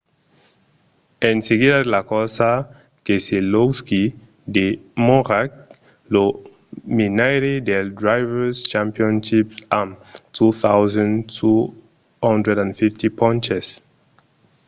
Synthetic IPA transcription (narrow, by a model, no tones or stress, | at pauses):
ɛ̃nseɡidadelakɔsa | keseloski | demɔʁak̚ | lo | minajɾidɛldɹajvɛst͡ʃãmpiɔ̃nʃipsamtʰuθawzãntʰu | hɔ̃ndɹɛdãnfiftipʰɔ̃nt͡ʃɛs